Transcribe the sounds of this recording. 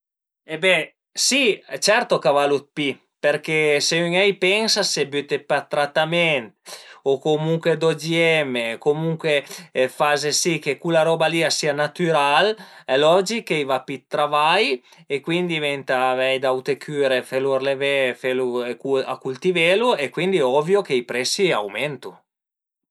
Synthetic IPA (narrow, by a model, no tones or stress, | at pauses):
ebɛ | sit͡ʃɛɾt̪okavalut̪̚pi | peɾkeseyŋɛjpɛŋsasebyt̪epat̪ːɾat̪ːamɛnt̪okomuŋkwed̪od͡ʒiɛmekomuŋkwefazesikekulaɾɔːbaliːasiːanat̪yɾalɛlɔd͡ʒikːejvapit̪ːɾavajekwind̪ivɛnt̪avɛjd̪awt̪ekʰyɾefelurlevefelukua̰kult̪iveluekwind̪iɛɔvjokeipɾɛsːia̰wmɛnt̪u